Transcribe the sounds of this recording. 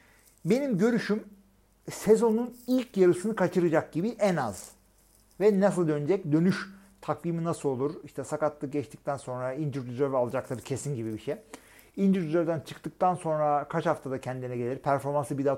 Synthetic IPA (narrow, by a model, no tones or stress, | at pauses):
be̞nimɟø̞ɾyʃym | se̞zo̞nunilʲcʰjaɾɯsɯnɯkʰat͡ʃʰɯɾɯd͡ʒak̚ɟibiʔɛna̰z̥ | vɛnasɯlˠd̪ø̞nyd͡ʒɛcd̪ø̞nyʃ | t̪ʰakviːminasɯlˠo̞lˠuɾiʃt̪ʰɛsakat̪lːɯɟɛt͡ʃt̪ʰi̥c̚t̪ʰænso̞nɾaind͡ʒiɾd̪yzøvalˠad͡ʒaklˠaɾɯcʰe̞sinɟibibiʃɛj | ind͡ʒiɾyzøɾd̪ænt͡ʃʰɯkt̪ɯk̚t̪ʰanso̞nɾakʰat͡ʃhaft̪ʰad̪acʰɛnd̪iinɛɟe̞lʲiɾpʰæɾfo̞ɾmansɯbid̪a